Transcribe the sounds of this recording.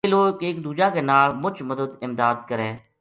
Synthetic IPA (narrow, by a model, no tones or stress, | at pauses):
eːloːkeːkd̪uːd͡ʒaːkeːnaːlmʊt͡ʃʰməd̪əd̪ɪmd̪aːd̪̚kəɾẽː